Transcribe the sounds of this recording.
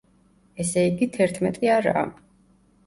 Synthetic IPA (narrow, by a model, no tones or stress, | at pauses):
ɛsɛiɡit̪ʰɛɾt̪ʰmɛt̪ʼiaɾa̰ː